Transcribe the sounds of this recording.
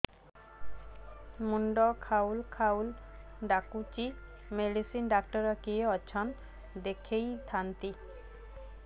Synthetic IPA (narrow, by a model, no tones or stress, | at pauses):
muɳɖɔkʰaulkʰawlɖakut͡ʃi | meɖisinɖakʈɔɾɔkieɔt͡ʃʰɔn | d̪ekʰejd̪ʰʱant̪i